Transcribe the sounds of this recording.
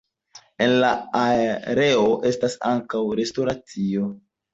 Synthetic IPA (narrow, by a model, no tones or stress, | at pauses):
e̞nlaaɾe̞o̞ʔe̞stasa̰ŋkawɾe̞sto̞ɾat͡sio̞